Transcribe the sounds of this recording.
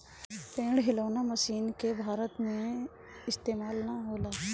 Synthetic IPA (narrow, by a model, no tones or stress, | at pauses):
pẽːɽɦɪloːnaməsiːnkebʱaːɾət̪mẽ | ɪst̪eːmaːlnaɦoːlaː